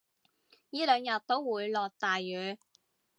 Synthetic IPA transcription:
jiː˥lœː˨˧ŋjɐ˨˩t̚t̪ːo˥wwuː˨˧jlɔː˨˩k̚t̪aː˨jːyː˨˥

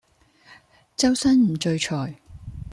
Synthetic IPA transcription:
t͡sɐ˥wsɐ˥nm̩˨˩t͡ʃɵ˧ɥt͡ʃʰɔː˨˩j

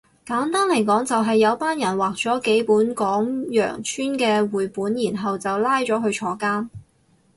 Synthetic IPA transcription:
kaː˨˥nt̪aː˥nlɐ˨˩jkɔː˨˥ŋt͡sɐ˨wɦɐ˨jːɐ˨˧wpaː˥njɐ˨˩nwaː˨k̚t͡sɔː˨˥ke˨˥jpuː˨˥nkɔː˨˥ŋjœ̰ː˨˩ŋt͡ʃʰyː˥nkɛː˧wuː˨jpuː˨˥njiː˨˩nɦɐ˨wt͡sɐ˨wlaː˥jt͡ʃɔː˨˥ɦɵ˧ɥt͡ʃʰɔː˨˥kaː˥n

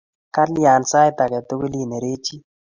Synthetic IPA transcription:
ka˦lja˨nsa˦jt̪a˨kɛ˨t̪o˦ɡo˦li˦˨ne˨ɾe˦t͡ʃi˦

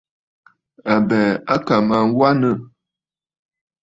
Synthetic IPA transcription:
a˨bɛ˨a˦ka˨ma˨ŋ˦wa˦nə˦˨

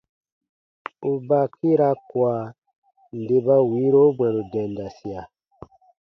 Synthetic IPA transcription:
u˨ba˦˨ki˦ɾa˧˦kwa˨ | n̩˨de˧ba˧wi˨˦ɾo˦ɡ͡bɛ̃˨nu˨dɛ̃˨n˨da˨si˨a˨

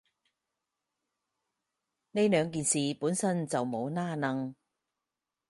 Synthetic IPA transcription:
ne˥jlœː˨˧ŋk̬iː˨nsiː˨puː˨˥nsɐ˥nt͡sɐ˨wmo˨˧wnaː˥nɐ˧ŋ

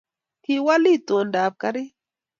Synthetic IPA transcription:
hi˦˨wa˦li˦˨to˨ndaː˨b̚ka˦ɾi˦

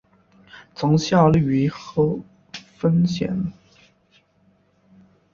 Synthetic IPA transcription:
t͡sʊ˧˥ŋɕjɑ˥˩ly˧˥xɤ˧˥ | fə˥nɕjɛ̰˨˩˥n

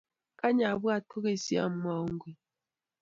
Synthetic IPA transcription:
ka˦ɲa˨βɨ˦a˨to˦ɣe˨si˦a̰˦˨m̩˦m˦a˦˨˦ŋ˦ɡwi˨

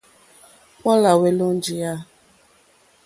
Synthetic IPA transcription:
kɔ˦la˨we˨lo˦n̩˦d͡ʒi˨ja˦

